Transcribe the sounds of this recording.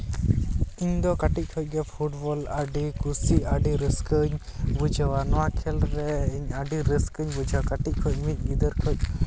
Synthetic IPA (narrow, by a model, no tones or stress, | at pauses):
iɲd̪ɔkaʈic̚ˀkʰɔc̚ˀɡɛpʰuʈbɔlaɖikusiaɖiɾəskəɲbud͡ʒʱawanɔwakʰɛlɾɛiɲaɖiɾəskəɲbud͡ʒwakaʈic̚ˀkʰɔc̚mic̚ˀɡid̪əɾkʰɔc̚ˀ